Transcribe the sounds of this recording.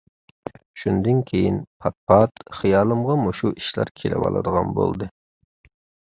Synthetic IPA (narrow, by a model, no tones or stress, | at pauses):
ʃund̪ɨnkʲʰejinpʰɑt̪̚pʰɑt̪χijɑːlˠɨmʁɑmuʃuʔiʃlæ̰ɾkʲʰelɪ̰wɑ̰lˠɨ̰d̪əʁɑnbo̰lˠd̪ɨ